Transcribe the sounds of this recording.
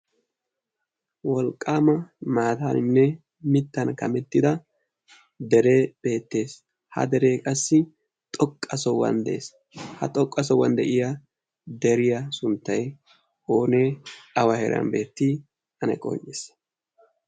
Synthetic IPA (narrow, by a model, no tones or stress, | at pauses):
wɔlkʼːaːmɐmaːt̪aːnɪnːɛ | mɪt̪ːɐnkɐmɛt̪ːɪd̪ɐ | d̪ɛɾeːb̥e̞ːt̪ːe̞ːs | hɐ̰d̪ɛɾe̞ːkʼɐsːɪ | t̪ʼɔkʼːɐsɔwːɐ̰nd̪ɛʔeːs | hɐ̰t̪ʼɔkʼːɐs̬ɔwːɐnd̪ɛʔɪjɐ | d̪ɛɾɪjɐsʊnt̪ːɐj | oːneːɐwɐhɛɾɐ̰nbe̞ːt̪ːɪ | ɐnɐ̰kʼɔ̰ɲːes